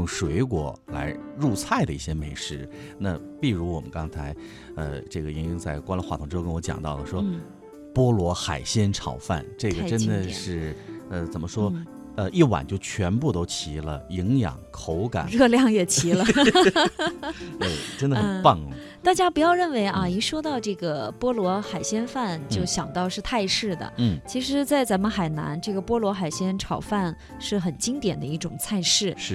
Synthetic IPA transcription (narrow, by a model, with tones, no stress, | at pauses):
jʊ˥˩ŋʂwe˧˥ɪkwɔ̰˨˩˦la̰˧˥ɪɻu˥˧t͡sʰa˥˩ɪd̪ə˩i˥˩ɕjɛ˥me˨˧˩ɪʂɻ̩˥˩ | na˥˧ | pi˥˩ɻu˧˥wɔ˨˩mə˦nkɑ˥ŋt͡sʰa˧˥ɪ | ə̰˧ʈ͡ʂɤ˥˩ɡə˩i˧˥ŋi˧˥ŋt͡sa˥˩ɪkwa˥nlə˧˥xwa˥˩t̪ʰʊ˧˥ŋʈ͡ʂɻ̩˥˧kə˥n˥wɔ˧˥t͡ɕjɑ̰˨˩ŋt̪ɑ˥˩ʊd̪ə˩ʂwɔ˥ | pwɔ˥lwɔ˧˥xa˨˩ɪɕjɛ˥nʈ͡ʂʰɑ˨˩ʊfa̰˥˧˩nʈ͡ʂɤ˥˩ɡə˩ʈ͡ʂə˥nd̪ə˨ʂɻ̩˥˩ə˧t͡sə˨˩nmə˦ʂwɔ˥ | ə˧ʔi˥˩wa̰˨˩nt͡ɕjo˥˩ʊt͡ɕʰɥɛ˧˥npu˥˧˩t̪o˥ʊt͡ɕʰi˧˥lə˧i˧˥ŋjɑ̰˨˩ŋkʰo˧˥ʊka̰˨˩˦ɻɤ˥˧ljɑ˥˩ŋjɛ˨˩t͡ɕʰi˧˥lə˧ | t̪e˥˩ɪʈ͡ʂə˥ndə˨x̩˨˧˩pɑ˥˩ŋlə˩ | t̪a˥˩t͡ɕja˥pu˧˥jɑ˥˧ʊɻə˥˩nwe˧˥ɪʔɐ˥˧ni˧˥ʂwɔ˥t̪ɑ˥˧ʊʈ͡ʂɤ˥˩ɡə˩pwɔ˥lwɔ˧˥xa˨˩ɪɕjɛ˥nfa˥˧nt͡ɕjo˥˩ʊɕjɑ˨˩ŋt̪ɑ˥˧ʊʂɻ̩˥˧t̪ʰa˥˧ɪʂɻ̩˥˩d̪ə̰˩n̩˥˩t͡ɕʰi˧˥ʂɻ̩˧˥t͡sa˥˩ɪt͡sa˧˥nmə˧nxa˨˩ɪna̰˧˥nʈ͡ʂɤ˥˩ɡə˩pwɔ˥lwɔ˧˥xa˨˩ɪɕjɛ˥nʈ͡ʂʰɑ˨˩ʊfa˥˧n | ʂɻ̩˥˩xə˨˩nt͡ɕi˥ŋt̪jɛ˨˩nd̪ə˦i˥˩ʈ͡ʂʊ˨˩ŋt͡sʰa˥˧ɪʂɻ̩˥˩ʂɻ̩˥˩